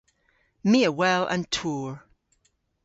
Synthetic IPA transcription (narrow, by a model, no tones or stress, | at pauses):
miəwɛlˠʔə̰̃ntʰuɹ